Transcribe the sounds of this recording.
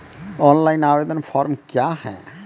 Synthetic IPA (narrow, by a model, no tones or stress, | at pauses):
ɔːnlaːɪnaːʋeːd̪ənpʰɔːɾmkjahɛ̰̃ː